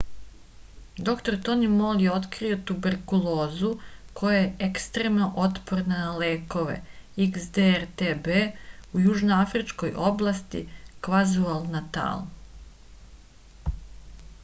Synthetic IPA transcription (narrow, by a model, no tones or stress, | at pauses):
d̪o̞kt̪o̞ɾt̪o̞nimoljeo̞t̪kɾio̞t̪ubeɾkulˠo̞ːzuko̞jajeʔekst̪ɾe̞mnoʔo̞t̪po̞ɾnanale̞ːko̞ʋe̞̰iksd̪eɾt̪ebeujuʒnoafɾit͡ʃko̞jʔo̞blˠast̪ḭkʋazualˠnat̪a̰ːlˠ